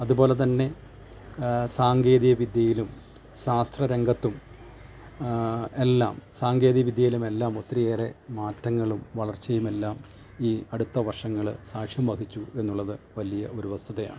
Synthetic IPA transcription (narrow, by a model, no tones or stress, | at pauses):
ɐðubo̞ːle̞t̪ɐnːe̞ | saːŋɡe̞ːðijɐʋid̪jɐjilum | ɕaːst̪rɐɾeŋɡɐt̪ːum | e̞lːa̰ːmsaːŋɡe̞ːðijɐʋid̪jɐjilume̞lːaːmo̞t̪ːrijeːre̞maːtːɐŋːɐɭumʋɐɭɐrt͡ɕejume̞lːaːm | iːɐɽut̪ːɐʋɐrʂɐŋːɐɭɨsaːʂjɐmʋɐhit͡ɕːue̞nːuɭːɐðɨʋɐlijɐo̞ɾuʋɐst̪ʰuðeja̰ːɳɨ